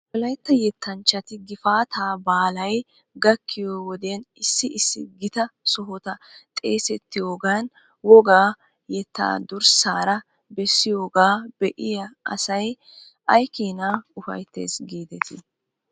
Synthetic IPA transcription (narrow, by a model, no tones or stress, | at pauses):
wɔlɐjt̪ːɐjɛt̪ːɐnt͡ʃːɐt̪ɪɡɪfaːt̪ʰaːbaːlɐj | ɡɐkʰːɪjoːwɔd̪enɪsːɪɪsːɪɡɪt̪ɐsɔɦɔt̪ɐt̪ʼe̞ːsɛt̪ːɪjoːɡaːn | wɔɡaː | jɛt̪ʰːa̰ːd̪ʊɾsaːɾɐ | bɛsːɪjoːɡaːbɛʔɪjɐʔɐ̰sɐj | ʔɐjkiːnaːʊfɐ̰jt̪ːḛːsɡiːd̪ɛt̪ʰɪ